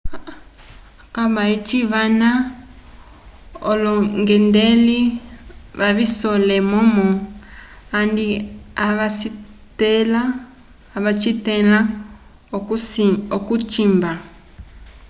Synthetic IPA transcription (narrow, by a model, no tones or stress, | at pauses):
kaβait͡ʃiβana | o̰lɔŋɡendeli | βaβisolemomɔ | andiaβas | telaː | βat͡ʃitela | okut͡ʃimba